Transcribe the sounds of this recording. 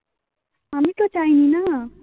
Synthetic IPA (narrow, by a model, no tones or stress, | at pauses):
ɦamit̪ot͡ʃaɦinina